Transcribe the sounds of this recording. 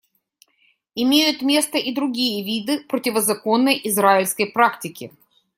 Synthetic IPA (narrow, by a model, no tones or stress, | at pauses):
ɪmʲejʊt̪mʲe̞st̪əʔɪd̪ɾʊɡʲijəvʲid̪ɨpɾətʲɪvəzɐko̞nːəjʔɪzɾaɪlʲskəjpɾaktʲɪkʲɪ̰